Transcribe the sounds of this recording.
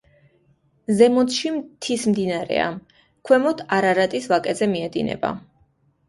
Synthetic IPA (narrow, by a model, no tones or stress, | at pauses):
zɛmɔt̪ʃimt̪ʰismd̪inaɾɛ̰a̰ | kʰwɛmɔt̪ʰaɾaɾat̪ʼisvakʼɛzɛmiɛd̪inɛ̰ba̰